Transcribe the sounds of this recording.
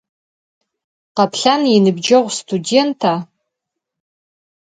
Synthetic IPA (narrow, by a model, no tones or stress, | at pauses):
qapʰɬaninɨbd͡ʒaʁʷstʰude̞ntʰa